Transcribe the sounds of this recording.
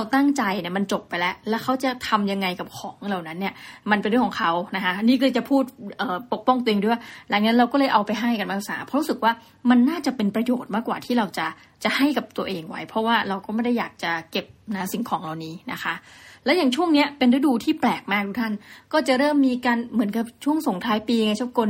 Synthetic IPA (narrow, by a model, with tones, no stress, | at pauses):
ɾa˧wt̪a˥˩ŋt͡ɕa˧jni˥˩ma˧nt͡ɕo˨˩pːa˧jlɛ˦˥ʔlɛː˦˥wkʰa˦˥wt͡ɕa˨˩t̪ʰa˧mja˧ŋːa˧jka˨˩p̚kʰɔː˩˦ŋla˨˩wna˦˥nːi˥˩ɐma˧npe˧nɾəkʰɔ˨˩˦ŋkʰa˦˥wna˦˥kʰa˦˥ʔniː˥˩kɤː˧˩t͡ɕa˨˩pʰuː˥˩t̪̚ʔɤː˨˩po˨˩k̚pɔ˥˩ŋt̪u˧ŋuː˥˩waː˥˩la˨˩˦k̚na˦˥ɾa˧wkɔː˥˩lːɤː˧˦jʔa˧wpa˧jɦa˥˩jka˧nmaː˧pʰa˧˩saː˩˦pʰɔ˦˥ɾu˦˥sɯ˨˩k̚waː˥˩ | ma˧nːaː˥˩t͡ɕa˨˩pe˧npɾa˧joː˨˩t̪̚maː˥˩kːwaː˨˩t̪ʰiː˥˩ɾa˧wt͡ɕa˨˩ | t͡ɕa˨˩ʔha˥˩jka˨˩p̚t̪u˧ɐʔeː˧ŋwa̰˦˥jpʰɔ˦˥waː˥˩ɾa˧wkɔː˥˩ma˥˩jda˥˩jaː˨˩k̚t͡ɕa˨˩ke˨˩p̚na˦˥si˩˦ŋkʰɔː˩˦ŋla˨˩wniː˦˥na̰˦˥kʰa˦˥ʔlɛː˧˦˥jaː˨˩ŋt͡ɕʰu˥˩əŋni˦˥ɐpe˧nɾa˦˥duː˧t̪ʰiː˥˩plɛː˨˩k̚maː˧˥k̚t̪u˦˥k̚t̪ʰa˥˩nkɔː˥˩t͡ɕa˨˩ɾɤː˥˩mːiː˧kaː˧nmɯ˩˦ənka˨˩p̚t͡ɕʰu˥˩əŋso˨˩˦ŋt̪ʰɾaː˦˥jpiː˧ŋa˧t͡ɕʰa˦˥p̚ko˧n